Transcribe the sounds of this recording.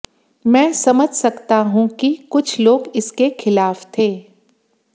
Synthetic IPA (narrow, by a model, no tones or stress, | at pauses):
mɛ̃ːsɐməd͡ʒʱsɐkt̪aɦũkikʊt͡ʃʰloːɡɪskexʰɪlaːft̪ʰeː